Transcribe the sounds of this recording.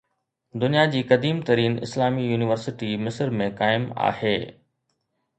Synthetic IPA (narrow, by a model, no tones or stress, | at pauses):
d̪ʊnijad͡ʑiːkɐd̪iːmt̪ɐɾiːnɪ̰slaːmijuːnɪʋəɾsɪʈimɪsəɾmẽkaːɪma̰ːheː